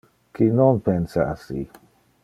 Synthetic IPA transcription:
kinonpensaasḭ

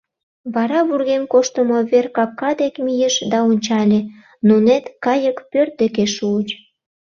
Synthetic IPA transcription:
βɑɾɑβurɣemkoʃt̪əmoβerkɑkːɑd̪ekmijəʃd̪ɑonʲt͡ɕɑlʲe | nunet̪kɑjəkpørt̪̚d̪ekeʃuət͡ɕ

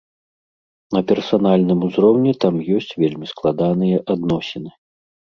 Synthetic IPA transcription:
nɐpʲɛrsanalʲnɨmuzɾɔwnʲɛt̪amjɔsʲt͡sʲvʲelʲmʲisklˠad̪anɨjɐʔad̪nɔsʲɛnɨ

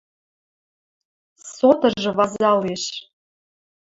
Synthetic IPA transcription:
sot̪ɤ̆ʒɤ̆βɑzɑleʃ

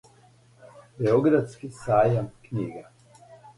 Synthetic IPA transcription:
bɛɔɡɾat̪skisaːjamknʲiːɡa

